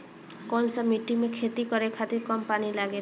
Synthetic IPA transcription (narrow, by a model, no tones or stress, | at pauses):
kɔnsamiʈimekʰet̪ikɔɾekʰat̪iɾkɔmpanilaɡe